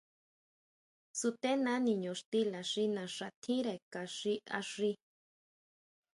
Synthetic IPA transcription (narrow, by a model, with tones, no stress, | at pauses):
su˧t̪e˦nã˦nĩ˨ɲõ˨ʂt̪i˦la˨ʂi˦nã˨ʂa˨t̪ʰĩ˦ɾe˨ka˨ʂi˦a̰˧ʂi˧